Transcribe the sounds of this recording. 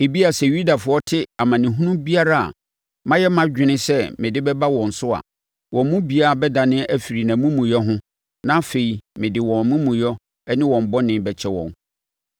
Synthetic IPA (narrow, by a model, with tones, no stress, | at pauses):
e˨bi˦a˨sɛ˨ju˦da˨fʊ˨ɔ˦tʰɪ˦a˨mã˨nɪ̃˨ɦũ˦nũ˦bi˦a˦ɾa˦a̰˨ | mã˦jɛ˦mã˦d͡ʑᶣɪ˦nɪ̃˦sɛ˦mɪ̃˨dɪ˦bɛ˦ba˦wɔ̃˨n̩˨sʊ˦a̰˨ | wʔɔ̃˨mmũ˦bi˨˦a˦a˨bɛ˦da˨nɪ̃˦ʔæ˦fi˨ɾi˨nã˨mũ˦mũ˨jɔ˦ɦʊ̃˦ | nã˦fe˨i˨mɪ̃˨dɪ˨wɔ̃˨mʊ̃˦mũ˨jɔ˦ | ɛ˦nɪ̃˦wɔ̃˨m̩˦bɔ˦nɪ̃˦bɛ˨t͡ɕʰɛ˦wɔ̰̃˨n